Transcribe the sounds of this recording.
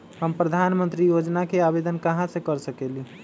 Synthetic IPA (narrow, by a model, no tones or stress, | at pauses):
ɦəmpɾəd̪ʱanmənt̪ɾijod͡ʒnakeabed̪ənkəɦãsẽkəɾsəkeli